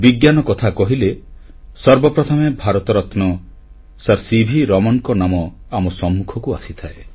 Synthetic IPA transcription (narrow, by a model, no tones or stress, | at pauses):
biɡjanɔkɔt̪ʰakɔɦile | sɔɾbɔpɾɔt̪ʰɔmebʱaɾɔt̪ɔɾɔt̪nɔ | saɾsibʱiɾɔmɔnkɔnamɔamɔsɔmːukʰɔkuasit̪ʰae